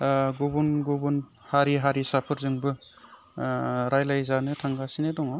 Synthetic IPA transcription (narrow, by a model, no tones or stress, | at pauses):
ɡobunɡobun | haɾiɦaɾisapʰɯɾzɯŋbɯ | ɾajlajzanɯtʰaŋɡasinedɔŋa